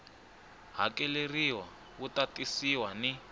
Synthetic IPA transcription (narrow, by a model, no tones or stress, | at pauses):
ɦa̰kɛleriwa | kutatʼisiwani